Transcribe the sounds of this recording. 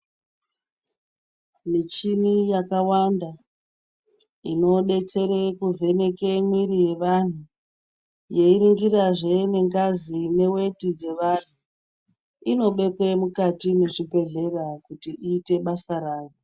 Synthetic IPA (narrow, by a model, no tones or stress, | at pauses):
mit͡ʃimijakawanda | ino̞ɗe̞t͡se̞ɾekuvʱe̞ne̞kemwiɾije̞ʋan̤u | je̞iɾiŋɡiraʐe̞ne̞ŋɡazine̞we̞tid͡ze̞ʋan̤u | ino̞ɓe̞kwe̞mukatineʐibʱe̞ɮe̞rakutiiːte̞ɓasaɾaːʋo